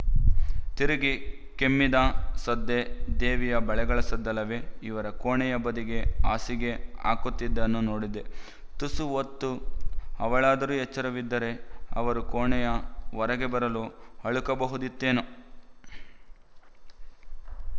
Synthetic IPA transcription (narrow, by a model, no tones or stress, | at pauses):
t̪iɾiɡi | kemːid̪ɐsɐd̪ːed̪eːʋijɐbɐɭɛɡɐɭɐsɐd̪ːɐlɐʋeiʋɐɾɐkoːɳɛjɐbɐd̪iɡe̞a̰ːsiɡe̞a̰ːkut̪ːid̪ːɐnːunoːɽid̪e̞ | t̪usuot̪ːuɐʋɐɭaːd̪ɐɾuːjɛt͡ʃːɐɾɐʋid̪ːɐɾe̞ɐ̰ʋɐɾukoːɳɛjɐʋɐɾɐɡe̞bɐɾɐluɐɭukɐbɐɦud̪it̪ːeːnu